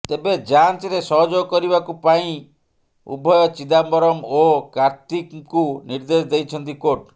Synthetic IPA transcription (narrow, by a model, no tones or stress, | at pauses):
t̪ebed͡ʒansɾesɔɦɔd͡ʒoɡɔkɔɾibakupaĩ | ṵbʱɔjɔt͡ʃid̪ambɔɾɔmokaɾt̪ikkuniɾd̪esd̪ejt͡ʃʰɔnt̪̬ikoʈ